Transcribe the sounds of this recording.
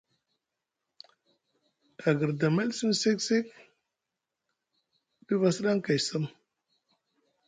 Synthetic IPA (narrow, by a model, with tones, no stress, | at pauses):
a˨ɡə˨ɾda˨ma˦lsi˦msi˦ksi˦k | ɗi˦va˨sə˦ɗa˦ŋka˨jsə˦m